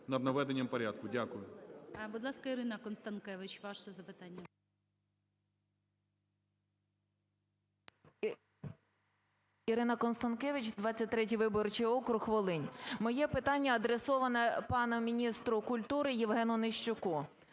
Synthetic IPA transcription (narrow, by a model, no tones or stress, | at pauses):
nɐd̪nɐʋɛd̪enʲːɐmpɔɾʲad̪̚kʊdʲakʊjʊbud̪lˠɑskɐiɾɪnɐkɔnst̪ɐnkɛʋɪt͡ʃʋɑʃɛzɐpɪt̪ɑnʲːɐ | iɾɪnɐkɔnst̪ɐnkɛʋɪt͡ʃʲd̪ʋɑt͡sʲːɐt̚ʲt̪ɾɛtʲijʋɪbɔrt͡ʃijɔkɾʊxʋɔlˠɪnʲmɔjɛpɪt̪ɑnʲːɐɐd̪ɾesɔʋɐnɛpɑnʊmʲinʲist̪ɾʊkʊlʲt̪uɾɪjiʋɦɛnʊnɪʃt͡ʃʊkɔ